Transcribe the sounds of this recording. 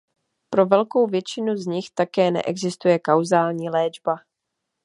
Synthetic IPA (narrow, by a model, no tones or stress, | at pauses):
pɾo̞vɛlkowvjɛt͡ʃɪnuzɲɪxt̪akɛːnɛ̰ʔɛɡzɪst̪ujɛkawzaːlɲiːlɛːd͡ʒba